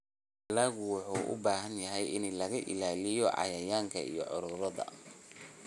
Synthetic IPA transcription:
ɐlaːɣʊwʊħuːʔʊ̰baːɦɐnjɐɦɛjɪnlɐɣɐʔɪ̰laːlɪjɔʕɑ̰jɐjaːŋkʰɐ̰ḭjɔ̰ʕʊɾʊɾɐðɐ̰

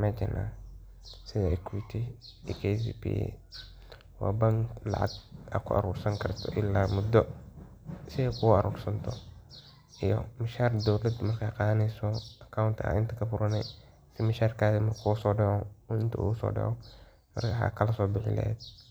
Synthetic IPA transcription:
mat͡ʃɛnʔa̰ː | sɪðaɪkʰwit̪ʰiikʰes̬ḭpḭ | wa̰ːbɐŋklɑ̰ʕɑ̰ɡ̚ɐ̰kʰʊ̰ɐ̰ɾuːrsɐŋkʰɐrt̪ʰɔ̰ʔɪlːaːmʊd̪ɔ | sɪɐkʰʊɐɾuːrsɐnt̪ʰɔ | ʔijɔ̰mɪʃaːrd̪ɔwlɐd̪mɐrkʰaqɑːðɐnɛjsɔɐkʰawnt̪ʰɐ̰ɪnt̪ʰɐkʰɐfʊɾɐnɛ̰ | sɪmɪʃaːrkʰaːðimɐrkʰusɔːɖɛʕɔɪnt̪ʰɐ̰ṵʊsɔ̰ːɖɛ̰ʕɔ | mɐ̰rkʰaħa̰ːkʰɐlɐsɔːbɪħɪ̰lɛ̰ɛ̰d̪

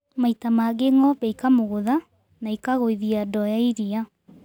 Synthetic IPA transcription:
maitamaɡeŋɔβɛikamoɣoða | naikaɣoiðiadɔjaiɾia

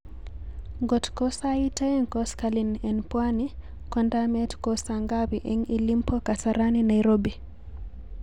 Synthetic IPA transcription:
ŋɡɔtkɔsaitaŋkɔskalinɛnpwani | kɔndamɛtkɔsaŋɡawiʔɛŋilimpɔkasaɾaninajɾɔbi

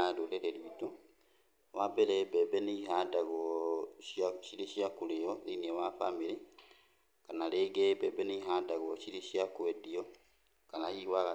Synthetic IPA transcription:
adoɾɛɾɛɾwitu | wabɛɾɛbɛbɛniɦadaɣɔ | ʃiɾiʃiakuleɔliniɛwafa̰miɾi | kanaleːɡɛbɛbɛniiɦadaɣɔʃiɾiʃjakwɛdiɔ | kanahiwaɣa

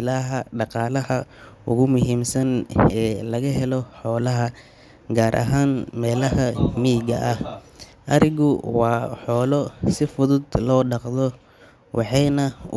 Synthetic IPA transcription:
ɪlaɦɐɖɑqɑːlɐhɐʊ̰ɣʊmʊɦiːmsɐnɛːlɐɣɐɦɛlɔħɔːlɐɦɐ | ɡaːɾʔɐ̰ɦaːnmɛːlɐhɐmiːɡɐ̰ʔɐh | ʔɐɾɪɣʊwɑːħɔːlɔsɪfʊðʊd̪lɔːɖɑqðɔ | wʔɑħɑjnɐ

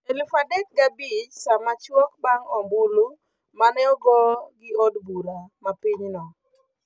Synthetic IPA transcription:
elufadɛk̚ɡabit͡ʃsamat͡ʃwɔkbaŋɔmbulu | manɛɔɡɔɡɪɔdbuɾamapiɲnɔ

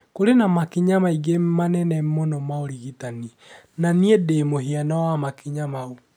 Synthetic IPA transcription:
koɾenamakiɲamaiɡemanɛnɛmonɔmaoɾiɣitani | naniedemoɦianɔwamakiɲamau

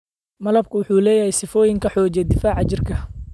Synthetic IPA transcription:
mɐlɐb̚kʰʊwʊħuːlɛːjɐhɛjsɪfɔːjɪŋkʰɐħɔːt͡ʃɛd̪ɪfaːʕɑt͡ʃɪrkʰɐ

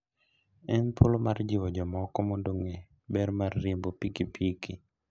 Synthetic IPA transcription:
ɛnpʰolomard͡ʒɪwɔd͡ʒɔmɔkɔmondoŋe | bɛɾmarːimbopikipʰiki

